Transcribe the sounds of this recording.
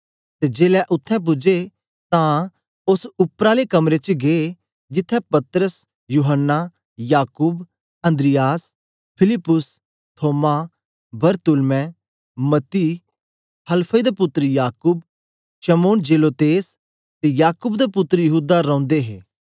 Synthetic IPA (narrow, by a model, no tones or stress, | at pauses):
t̪ed͡ʒeːlɛʔʊt̪ʰːɛ̃p̬ʊd͡ʒe | t̪ã | ʊsʊpːɾaːlekɐmɾet͡ʃɡee | d͡ʒɪt̪ʰːɛ̃pɐt̪ɾəs | juːɦənːa | jaːkuːb | ɐ̃nd̪ɾɪjaːs | pʰɪlɪpːʊs | t̪ʰoːma | bɐɾt̪ʊlmɛ̃ | mɐt̪ːiː | hɐlpʰəd̪epʊt̪ːɾəjaːkʊb̚ | ʃɐmoːnd͡ʒeːloːt̪eːs | t̪ejaːkʊbd̪epʊt̪ːɾəjəɦuːd̪aɾɔ̃ːʊ̃nd̪eɦḛː